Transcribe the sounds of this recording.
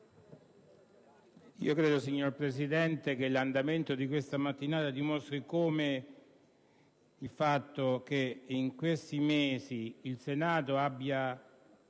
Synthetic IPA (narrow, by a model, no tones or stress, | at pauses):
ḭːokɾeːd̪osiɲːorpɾesid̪ɛnt̪ek̟eland̪ament̪od̪ikwest̪amat̪ːinaːt̪ad̪imost̪ɾikoːme | ilfat̪ːok̟eiŋkwest̪imeːsiːlsenaːt̪oabːja